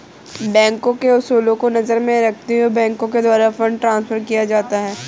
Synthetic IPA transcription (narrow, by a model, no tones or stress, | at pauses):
bɛ̃ːŋkõkeʊsuːlõkonɐzəɾmẽɾɐk̚ʰt̪iɦobɛ̃ːŋkõked̪waːɾafɐ̃ɳɖ̚ʈɾãːnsfəɾkijad͡ʒaːt̪aɦɛː